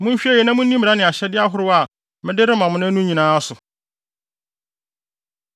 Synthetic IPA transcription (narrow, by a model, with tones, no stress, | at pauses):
mʊ̃˦n̩˦ɕᶣi˦ɛ˦˨jɛ˨˦nã˦mʊ̃˦n˦nĩ˦mi˨ɾa˦nɪ̃˨a˨ɕɛ˦dɪ˦a˦ɦʊ˦ɾʊ˦a˦˨ | mɪ̃˦dɪ˦ɾɪ˦mã˨mʊ̃˦nʊ̃˦nũ˦ɲĩ˨nãː˦sʊ˨